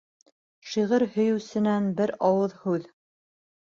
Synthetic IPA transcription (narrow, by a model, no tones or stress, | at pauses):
ʃiʁɘɾhɵ̆jɵ̆wsɘ̆nænbɘɾɑwɤðhʉð